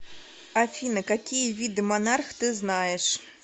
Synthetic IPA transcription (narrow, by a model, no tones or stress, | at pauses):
afʲinɐkakʲijɐvʲid̪ɨmanarxt̪ɨznajɛʂ